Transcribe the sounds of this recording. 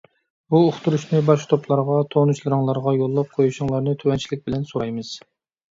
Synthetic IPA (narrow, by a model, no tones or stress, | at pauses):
buːχt̪uɾuʃnɨbɑʃt̪ʰoplˠɑɾʁɑt̪ʰonut͡ʃlˠɨɾɨŋlˠɑɾʁɑjolˠːɑp̚qʰojuʃɨŋlˠɑɾnɨt̪ʰøwɛnt͡ʃʰilɪk̚ʲbɪlɛnsoɾɑjmɨz̥